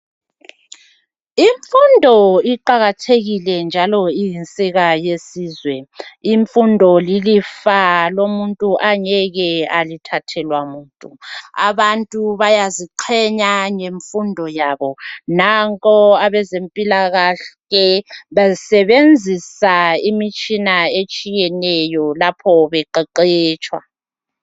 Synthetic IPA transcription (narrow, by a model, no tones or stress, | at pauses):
iɱfundʱɔiǃaɣatʰeɣilɛnd͡ʒʱalɔijint͡sʼiɣajesiːzwɛiɱfundʱɔlilifalomuntʼuʔaɲɛɣɛalitʰatʰɛlwamuːntʼua̰βantʼuβajaziǃʰɛɲaɲeɱfundʱɔjaːβɔnaŋkʼɔaβɛzempʼilaɣaɬ | ɛβazsɛβend͡zʱisaimit͡ʃʼinaet͡ʃʼijɛnɛjɔlapʰɔβɛǃɛǃɛːt͡ʃʼwa̰